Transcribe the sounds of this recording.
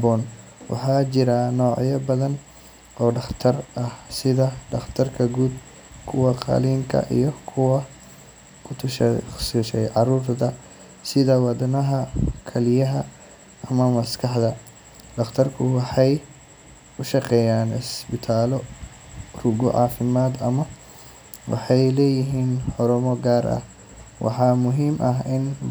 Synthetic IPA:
bɔːn | wʔɑ̰ħɑːt͡ʃɪɾɐnɔːʕjɐbɐðɐn | ʔɔːɖɑχt̪ʰɐrɐhsɪðɐɖɑχt̪ʰɐrkʰɐɡuːd̪̚ | kʰʊwɐqɑ̰liːŋkʰɐ̰ʔḭjɞkʰʊwɐ | kʰʊt̪ʰʊʃsuːʃɛjʕɑruːrt̪ɐ | sɪðɐwɑd̪ɐnɐɦɐkʰɐlɪjɐɦɐ | ɐmɐmɐskʰɑħd̪ɐ | d̪ɐχt̪ʰɐrkʰʊwɑħɑj | ʊʃɑqɛːjaːnɪsbɪt̪ʰaːlɔ | rʊɡɔ̰ʕɑːfɪmaːd̪ɐmɐ | wɑ̰ħɑjlɛːjɪɦiːnħɔɾʊmɔɡaːɾɐ̰h | wʔɑ̰ħɑmʊɦiːmʔɐɦɪn

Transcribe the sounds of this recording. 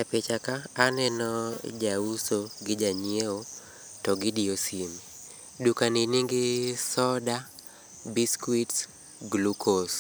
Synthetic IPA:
d͡ʒapɪt͡ʃakaːnɛnɔd͡ʒausoɡɪd͡ʒaɲieo | tɔɡɪdiosim | dukaninɪŋɡɪsɔda | biskwits | ɡlukos

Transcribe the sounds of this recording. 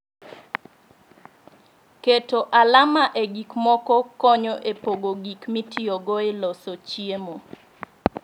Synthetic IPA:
ketoʔalamaʔeɡikmɔkɔkɔɲɔʔepoɡoɡikmitɪɔɡɔelɔsot͡ʃiemo

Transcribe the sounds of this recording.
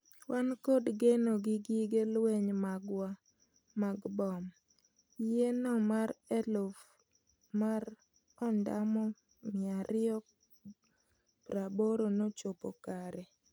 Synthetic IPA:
wʔankodɡenoɡɪɡiɡelwɛɲmaɡwa | maɡbɔm | jenɔmaɾɛlof | maɾ | ɔnda̰mɔ | mɪaɾɪɔ | pɾaboɾonot͡ʃopɔ̰kaɾɛ

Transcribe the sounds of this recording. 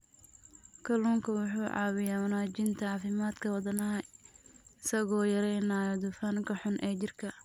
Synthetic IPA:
kʰɐluːŋkʰɐwʊħuːʕɑ̰ːwɪjaːwɐnaːd͡ʒɪnt̪ʰɐʕɑːfɪmaːd̪kʰɐwɐd̪ɐnɐɦɐ | ɪsɐɣɔːjɐɾɛjnaːjɔd̪ʊfaːnkʰɐħʊnʔɛːt͡ʃɪrkʰɐ

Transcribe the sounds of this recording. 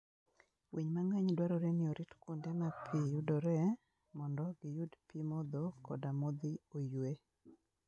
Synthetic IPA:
wʔiɲmaŋaɲdwaɾɔɾenɪoɾitkundemapʰijʊdɔɾɛ | mɔndɔɡɪjudpimɔd̪ɔkɔdamod̪ɪojwe

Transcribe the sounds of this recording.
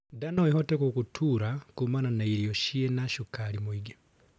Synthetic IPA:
danɔihɔtɛkukutʰuːɾakumananaiɾiɔʃiɛnaʃukaɾimwiɡe

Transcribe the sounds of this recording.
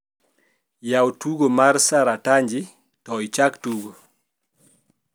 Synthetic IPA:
jawtuɡomaɾsaɾataɲd͡ʒɪ | tɔit͡ʃaktuɡo

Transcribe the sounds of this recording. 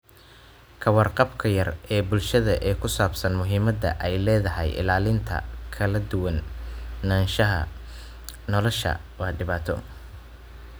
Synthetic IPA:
kʰɐwɑrqɑbkʰɐjɐrɛːbʊlʃɐðɐʔɛːkʰʊsaːbsɐnmʊɦiːmɐd̪ɐ̰ʔɛjlɛːðɐɦɛ̰jɪ̰laːlɪnt̪ʰɐ̰kʰɐlɐd̪ʊwɐnː | aːnʃɐɦɐ̰ | nɔlɔʃɐ̰ | wɑːɖɪβaːt̪ʰɔ̰

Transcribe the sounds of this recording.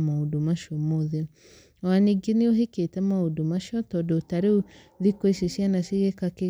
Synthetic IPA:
maudomaʃomoðe | waneɡinioɦeketɛmaodomaʃɔtɔdɔutaɾeu | ðikweʃeʃjanaʃeekake

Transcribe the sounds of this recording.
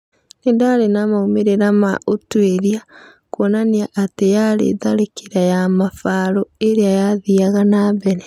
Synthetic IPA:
nendaɾenamaumeɾeɾama̰ʔotweɾia | kwɔnaniaʔatejaɾḛðaɾekeɾajamafaːɾɔeɾeajaðiaɣanaːbɛɾɛ

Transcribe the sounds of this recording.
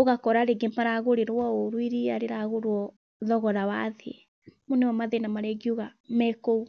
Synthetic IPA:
oɣakɔɾaɾeɡemaɾaɣoɾeɾwɔoɾwiɾiaɾeɾaɣoɾwɔ | ðɔɣɔɾawaðe | moneɔmaðenamaɾɛɡioɣa | mɛkou

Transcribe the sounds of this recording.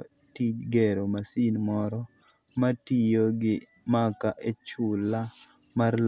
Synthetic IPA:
tid͡ʒɡɛɾomasinmɔɾɔ | matijoɡɪ | makaʔet͡ʃʊla | maɾl

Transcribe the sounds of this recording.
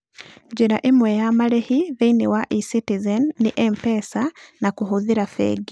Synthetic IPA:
d͡ʒeɾa̰ʔemwɛjamaɾehiðeinewaʔisitizɛnːiʔɛmpɛsanakuɦoðiɾafɛ̰ɡi

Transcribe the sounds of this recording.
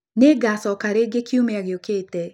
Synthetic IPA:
neɡasɔkaɾeɡekʰiumeaɣjokeːt̪ɛ

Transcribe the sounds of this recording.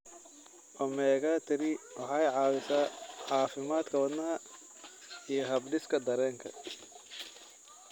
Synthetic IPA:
ʔɔmɛːɣaːt̪ʰɪɾɪwɑħɑjʕɑːwɪsaːħɑːfɪmaːd̪kʰɐwɐd̪nɐɦɐ | ijɞɦɐbɖɪskʰɐd̪ɐɾɛːŋkʰɐ̰

